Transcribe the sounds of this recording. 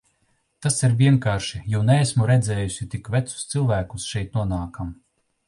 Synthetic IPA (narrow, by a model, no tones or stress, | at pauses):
t̪asiɾvʲiɛŋkaːɾʃijuwnɛːsmuɾɛd̪zɛːjusʲit̪ikvæt̪su̥st̪sɨlˠvæːkusʃɛjt̪̚nuɔnaːkam